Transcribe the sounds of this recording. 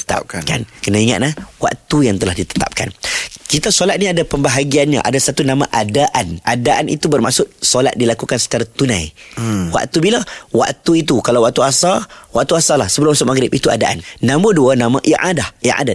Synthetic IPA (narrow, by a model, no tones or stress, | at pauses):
t̪ə̥t̪a̰p̚kakankənaiŋa̰t̪̚lahwa̰ʔt̪ujaŋt̪əlahdit̪ə̥t̪a̰p̚ka̰nkit̪asolat̪̚niadapəmbaɦaɡianɲa̰ʔa̰dasat̪unãmãʔadaʔanʔadaʔanʔḭt̪ubərma̰ʔsʊt̪̚sola̰t̪̚dilakukansə̥t͡ʃaɾat̪unã̰jwa̰ʔt̪ubilawa̰ʔt̪uit̪̬ukalawaʔ̚t̪uasawaʔ̚t̪uasalahsəbəlʊmasʊt̪maɡɾɪpit̪ua̰daʔanːãmũduanãmaʔiʔa̰dahiʔa̰dat̪̚